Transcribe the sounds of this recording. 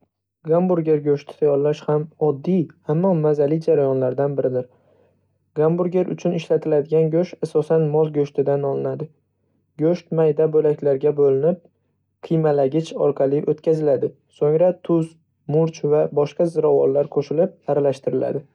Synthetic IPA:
ɡambuɾɡʲeɾɡʲɵʃt̪ʰɪ̥t̪ʰajɒllːaʃhamɒd̪ːijhamːɒmazalɪd͡ʒaɾajɒnlaɾd̪anbɪɾɪd̪ɪɾ | ɡambʊɾɡʲeɾʔʊ̰t͡ʃʰʊnɪʃlat̪ʰɪlad̪ɪɡʲanɡʲɵʃasɒsanmɒlɡʲɵʃt̪ʰɪd̪anɒlˠɪnad̪ɪ | ɡʲɵʃt̪majd̪abolakʲlaɾɡʲabolɪnɪp̚ | qʰɨjmalaɡʲɪt͡ʃʰɒ̰ɾqʰɑlˠɪʔot̪kʲazɪlad̪ɪ | soŋɾat̪ʰʊz | mʊɾt͡ʃvabɒʃqɑzɪɾavɒ̰lˠːaɾkʰoʃɪlɪp̚aɾalaʃt̪ɪɾɪla̰d̪ɪ

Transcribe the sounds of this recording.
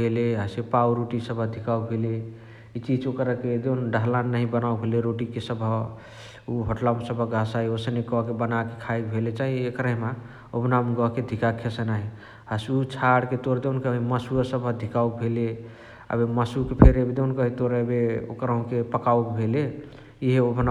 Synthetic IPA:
beleɦəsepauɾuʈisəbʱəd̪ʱikaubʱele | it͡ʃid͡ʒokɾəked̪enɖəɦlannaɦĩbənaubʱeleɾoʈikesəbʱə | uɦəʈlamsəbʱəɡʱasaiosənekɔɦkebənake̥kʰajkbʱelet͡ʃaɦiekɾəɦma | obnamɡɔɦked̪ʱikakʰesənaɦi | həsut͡ʃʰaɽket̪oɾd̪enkəeməsuəsəbʱəd̪ʱikaubʱele | ə̰beməsukepʰeɾebid̪enkəɦit̪oɾbeo̰kɾaɦũkepəkaubʱele | iɦeobna

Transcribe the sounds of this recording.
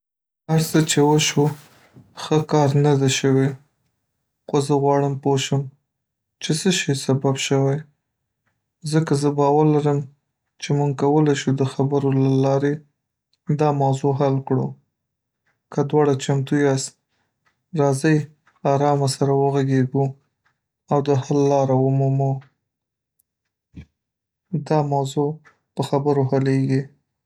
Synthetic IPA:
haɾsət͡ʃewəʃu | xəkɑɾnad̪aʃəwe | xozəɣwɑɽəmpoʃəm | t͡ʃesəʃisababʃəwaj | zəkazəbɑwaɾlaɾəm | t͡ʃemuŋɡ̚kawəlajʃud̪əxabəɾolalɑɾe | d̪ɑmawzoɦalkɽo | kad̪wɑɽat͡ʃamt̪ujas | ɾɑzəj | ɑɾɑmasaɾawəɣaɡeɡu | awd̪əhalːɑɾawʊmumu | d̪ɑmawzo | pəxabəɾoɦaleɡi

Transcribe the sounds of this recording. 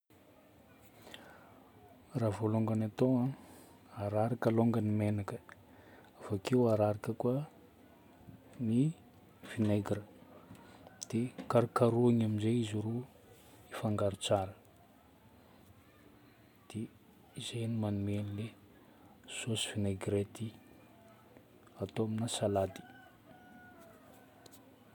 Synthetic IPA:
ravoloŋɡanat̪oa | aɾaɾakaloŋɡənimenakə̥ | afakewaɾaɾakəkwa | ni | finejɡiɾə | d̪̥ekaɾukaɾuaŋaminzeiziɾu | ifaŋɡaɾut͡saɾə | d̪̥e | izejnimanumenile | sosi̥fineɡɾet̪i | at̪oaminasalad̪i̥

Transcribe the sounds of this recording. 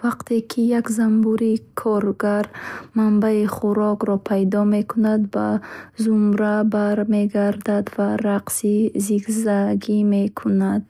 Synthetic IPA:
vaqt̪ʰe̞kʰijakzambuɾikʰɔɾɡaɾmambaiχuɾɔɡɾɔpʰajd̪ɔme̞kʰunad̪bazumɾabaɾme̞ɡaɾd̪ad̪vaɾaqsiziɡzaɡime̞kʰunad̪̥

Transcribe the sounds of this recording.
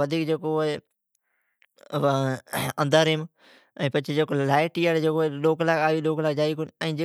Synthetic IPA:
əd̪ʱiːkd͡ʒeːkoːɦe | ə̃nd̪əɾɪm | ɛ̃ːpɐt͡ʃʰed͡ʒeːkoːlaːɪʈiːaːɽed͡ʒeːkoːloːklaːɡaːʋiːloːklaːɡ̚d͡ʒaːiːkonɛ̃ːd͡ʒeː

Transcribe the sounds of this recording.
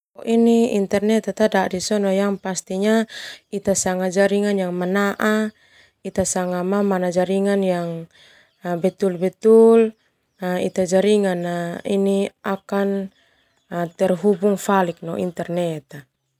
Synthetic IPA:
ɔʔiniḭnt̪ɛrnɛt̪at̪adadisɔnɔjaŋpast̪iɲait̪asaŋad͡ʒaɾiŋanjaŋmanaʔa | it̪asaŋamamanad͡ʒaɾiŋanjaŋ | bɛt̪ulbɛt̪ul | naḭt̪ad͡ʒaɾiŋanainiakan | t̪ɛrɦubuŋfalik̚nɔʔḭnt̪ɛrnɛt̪a

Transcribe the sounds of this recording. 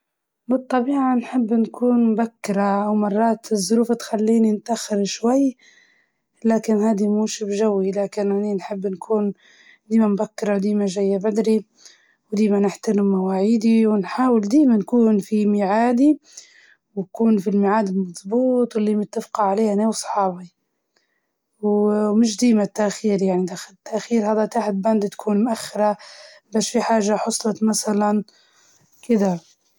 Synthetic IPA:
bɨt̪ˤːɑbiːʕanħɪbːnkuːnmbakːɪɾaʔawmɑrˤːɑːt̪zˤːʊɾuːft̪xalːiːninɪt̪ʔaxːɪɾʃwajː | laːkɪnhaːd̪imuːʃɪbʒawːilaːkɪnaninħɪbːnkʰuːn | d̪iːmambakːɪɾawd̪iːmaʒajːabad̪ɾi | wd̪iːmanɪħt̪ɪnʊmawaːʕiːd̪iwɪnħaːwɪld̪iːmankuːnfimɪʕaːd̪i | wnkuːnfilmɪʕaːd̪ɪlmɑðˤbuːt̪ˤwɪlːiːmat̪ːafqɑʕaleːhaneːwsˤħɑːbi | wmɪʃ̬d̪iːmat̪ːaʔxiːɾjaʕnid̪axalt̪ːaʔxiːɾhaːd̪at̪aːħɪt̪̚band̪t̪kʰuːnmʊʔaxːɪɾˤa | baːʃfiħaːʒaħʊsˤlɑt̪masalan | kɪd̪a

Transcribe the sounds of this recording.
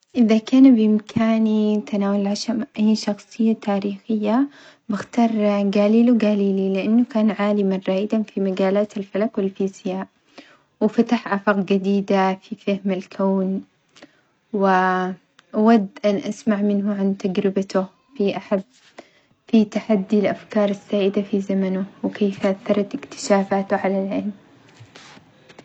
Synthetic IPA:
ʔɪðakaːnbjɪmkʰaːnit̪ʰanaːwalʕaʃamʔajːʃɑxsˤɨjːat̪ʰaːɾiːxɪjːa | bɪxt̪ɑːɾˤɡaːliːluɡaːliːlilɪʔanːʊkaːnʕaːlɪmanɾˤaːʔɪd̪anfimaɡaːlaːt̪alfalakwɪlfiːsɪjaːʔ | wɪfat̪aħʔafɑːqd͡ʒɪd̪iːd̪afifahmalkʰaːn | wɪ | ʔawad̪ːʔanʔasmaʕmɪnɦʊʕant̪ad͡ʒɾɪbat̪ʊ | fiʔaħabː | fit̪aħad̪ːilʔafkɑːɾˤɪsːaːʔɪd̪afizamanʊwɪkʰeːfʔaθːɑɾˤɑt̪ɪkt̪ɪ̥ʃaːfaːt̪ʊʕalalʕɪlm

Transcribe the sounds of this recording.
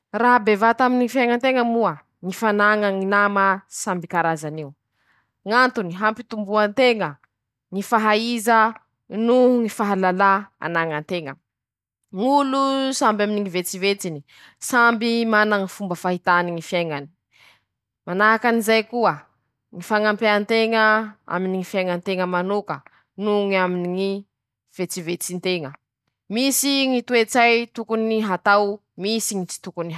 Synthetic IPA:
raɦbevat̪aminiŋifjaŋant̪eŋəmuə | ŋifanaŋaŋinaməsambikaɾazanew | ŋant̪uniɦampit̪umbuant̪eŋə | ŋifaɦaizə | nuŋifaɦalalaa̰naŋant̪eŋə̰ | ŋulusambaminiŋivet͡sivet͡sini | sambimanaŋifumbəfaɦit̪aniŋifjajŋani̥ | manaɦakanizajkuə | ŋifaŋampeant̪eŋəa̰miniŋifjajŋant̪eŋəmanokə | nuŋaminiŋi | v̥et͡sivet͡sint̪eŋə | misiŋit̪uet͡sajt̪ukuniɦat̪aw | misiŋit͡si̥t̪ukuniɦa

